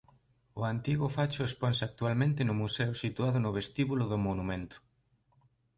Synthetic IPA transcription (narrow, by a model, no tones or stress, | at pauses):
ʊant̪iɣʊfat͡ʃʊespɔnsak̚t̪ualmẽnt̪ɪnʊmusɛʊsit̪uaðʊnʊβest̪iβulʊðʊmonumẽnt̪ʊ̥